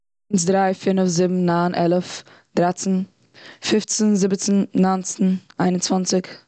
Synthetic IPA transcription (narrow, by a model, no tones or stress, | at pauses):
ns̬dɾaɪfiːnəfzɪbm̩naːnʔɛlˠəf | d̥ɾat͡sn̩ | fɪft͡snzɪbt͡snːant͡sn̩aɪnʊnt͡svant͡sɪk